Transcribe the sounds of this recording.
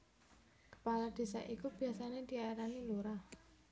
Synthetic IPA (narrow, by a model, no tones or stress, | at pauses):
kə̥palad̪̥e̤sa̰ʔikub̥i̤asaned̪̥i̤aɾaniluɾa